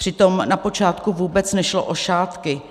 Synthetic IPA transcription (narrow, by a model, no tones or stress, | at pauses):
r̝̥ɪt̪o̞mnapo̞t͡ʃaːt̪kuvuːbɛt͡snɛʃlo̰ʔo̞ʃaːt̪kɪ